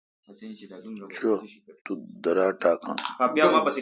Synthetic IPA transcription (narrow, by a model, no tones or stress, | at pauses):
t͡ɕʰot̪ud̪ɐɾaːʈaːkã̰ːxaːpjaːmãːpɐse